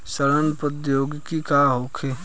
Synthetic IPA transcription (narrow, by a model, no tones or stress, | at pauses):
səɾənpəd̪joːɡkikaɦokʰe